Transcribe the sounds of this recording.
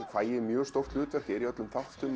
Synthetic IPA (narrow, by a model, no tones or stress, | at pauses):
faːjɪmjœːst̪ɔft̪lʏːt̪vɛr̥cɪɾiœt̪lʏmθaft̪ʏm